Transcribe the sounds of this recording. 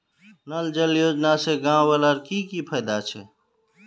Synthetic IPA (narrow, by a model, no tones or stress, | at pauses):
nəld͡ʒəljoːd͡ʒnaseɡãːwələɾkikipʰəjd̪at͡ʃʰeː